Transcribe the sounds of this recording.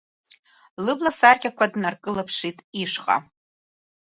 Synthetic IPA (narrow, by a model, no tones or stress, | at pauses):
lɨblasarkʲakʷʰadnarkʼɨlapʰʂitʼiʂqʼa̰